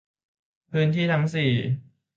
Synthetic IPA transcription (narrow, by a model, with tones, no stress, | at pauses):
pʰɯː˧˥nt̪ʰiː˥˩t̪ʰa˦˥ŋsiː˨˩